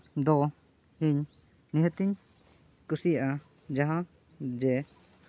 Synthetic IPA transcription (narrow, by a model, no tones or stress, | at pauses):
d̪ɔ | hiɲ | niɦət̪iɲ | kusijʔa | d͡ʒaɦã | d͡ʒɛ